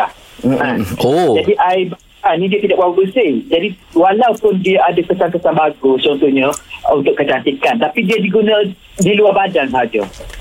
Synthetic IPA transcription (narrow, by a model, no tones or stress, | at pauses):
ah | od͡ʒadiʔajb | anĩdiat̪idakbaabəsɪd͡ʒadiwalawpʊndiaadakəsaŋkəsanbaɡʊst͡ʃɔnt̪uhɲə̃unt̪ʊkːət͡ʃant̪ikant̪apidiadiɡunə̃ | diluabadaŋsəɦad͡ʒa̰